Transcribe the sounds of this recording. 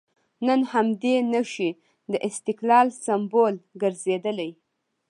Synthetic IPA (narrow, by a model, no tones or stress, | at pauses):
nənhamd̪enəʃi | d̪əʔɪst̪ɪklɑlsambolɡəɾzed̪əlaj